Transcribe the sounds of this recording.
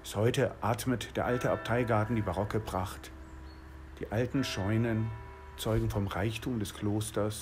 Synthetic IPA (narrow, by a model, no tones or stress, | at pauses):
shɔʏtəʔaːɐtmətd̥eːɐʔaltəap̚tʰaɪɡaɐtn̩diːbaʁɔkəbʁ̥aχt | d̥iːʔaltn̩ʃɔʏnən | t͡sɔʏɡŋ̩fɔmʁaɪçtʰuːmdɛskʰl̥oːstɐs